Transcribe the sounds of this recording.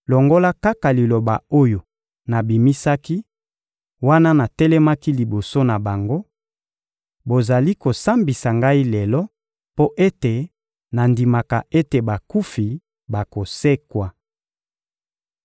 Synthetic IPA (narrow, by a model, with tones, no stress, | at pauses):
lɔ˨ŋɡo˦la˦ka˦ka˨li˨lo˨ba˨o˦jo˨ | na˨bi˨mi˦sa˦ki˦ | wa˦na˦na˨tɛ˦lɛ˦ma˦ki˦li˨bo˨so˦na˨ba˨ŋɡo˦ | bo˨za˨li˦ko˨sa˦mbi˨sa˨ŋɡa˦i˦lɛ˨lɔ˦ | po˦ʔe˦te˨ | na˨ndi˨ma˨ka˨ʔe˦te˨ba˨ku˦fi˨ | ba˨ko˨se˦kwa˨